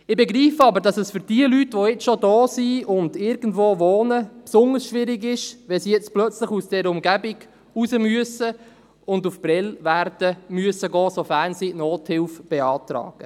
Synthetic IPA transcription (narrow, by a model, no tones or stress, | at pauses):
ɪbeɡɾiːfɑbəɾdɑsɛsfʏɾd̥iəlytʋojɛt͡sʃodɔːsiʊndɪɾɡ̥ən̩dvoːvoːnəpsʊndəɾsʃʋɪɾɪɡɪʃʋɛsijɛt͡splœt͡slɪχusd̥ɛːɾəʊmɡæbɪɡ̥ | usəmyəsə | ʊndufb̥ɾɛlvæɾd̥əmyəsəɡɔːsofænsinoːthɪlfb̥eɑːtɾɑ̰ːɡ̥ə